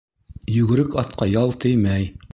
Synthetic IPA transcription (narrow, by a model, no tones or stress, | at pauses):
jʉɡɘ̆ɾɘkɑt̪qɑjɑlˠt̪ɘjmæj